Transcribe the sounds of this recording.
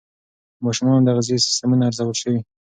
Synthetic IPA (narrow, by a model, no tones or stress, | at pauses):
mɑʃʊmɑnd̪aɣazesɪ̥st̪əmunaːɾzawəlʃəwi